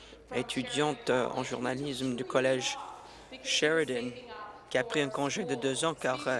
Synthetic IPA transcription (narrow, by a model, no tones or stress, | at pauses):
et̪ʰyd̪jɑ̃t̪ɑ̰̃ʒuʁnalismd̪ykɔlɛʒ | ʃɛʁid̪ɛnkʲiapχiɛ̃kɔ̃ʒed̪əd̪øzɑ̃kaʁ